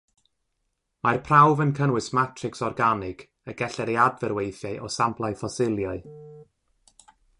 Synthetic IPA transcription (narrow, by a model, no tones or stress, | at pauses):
marpʰrawvənkʰənwɨsmatʰrɪksɔrɡanɪɡ̥ | əɡɛɬɛɾiadvɛrwejθjaɨʔɔsampʰlˠajfɔsɪlˠjaɨ